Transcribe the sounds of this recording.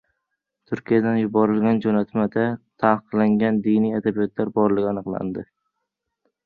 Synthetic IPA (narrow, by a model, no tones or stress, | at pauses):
t̪ʰʊɾkʲʰijad̪anjʊbɒɾɪlɡʲand͡ʒonat̪mad̪at̪ʰaɨqlaŋɡʲand̪ijnijad̪abijɒt̪ʰlaɾbɒɾlɪɡʲɪanɨqlˠa̰nd̪ɪ